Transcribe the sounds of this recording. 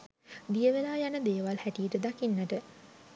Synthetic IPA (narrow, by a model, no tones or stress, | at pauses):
d̪ijəʋelaːjanəd̪eːʋalhæʈijəʈəd̪akinːəʈə